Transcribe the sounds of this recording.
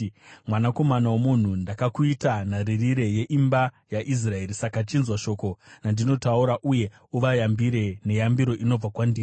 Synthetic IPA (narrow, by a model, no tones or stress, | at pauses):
mwanako̞manawomun̤undakakuitanaririɾe̞je̞ʔimba | jaʔis̬rae̞ɾisakat͡ʃinzwaʃo̞ːko̞nandino̞tauɾaʔuje̞ | uʋajambiɾe̞ne̞jambiɾo̞ʔino̞b͡vakwandiː